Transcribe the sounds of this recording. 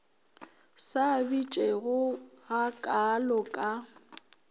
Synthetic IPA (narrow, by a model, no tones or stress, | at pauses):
sabit͡ʃʼeɣʊɣakʼalɔkʼa